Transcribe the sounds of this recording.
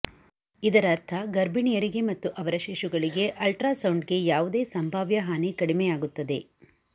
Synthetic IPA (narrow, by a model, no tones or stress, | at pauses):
id̪ɐɾɐɾt̪ʰɐɡɐɾbʱiɳijɐɾiɡe̞mɐt̪ːuʔɐʋɐɾɐʃiʂuɡɐɭiɡe̞ʔɐlʈɾaːsɐwɳɖɡe̞jaːʋud̪e̞ːsɐmbʱaːʋjɐɦaːnikɐɽimejaːɡut̪ːɐd̪e